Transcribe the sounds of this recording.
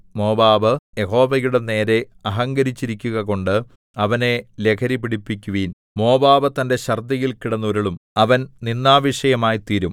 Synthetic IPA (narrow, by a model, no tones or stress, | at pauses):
mo̞ːbaːbɨje̞ɦo̞ːʋɐjuɽe̞ne̞ːɾe̞ | ɐɦɐŋɡɐɾit͡ɕːiɾikʲːuɣɐko̞ɳɖɨ | ɐʋɐne̞le̞kʰɐɾipiɽipːikʲːuʋiːn | mo̞ːbaːbɨt̪ɐnde̞ɕɐrd̪ɐjilkiɽɐnːoɾuɭumɐʋɐnninːaːʋiʂɐjɐmaːjit̪iːɾum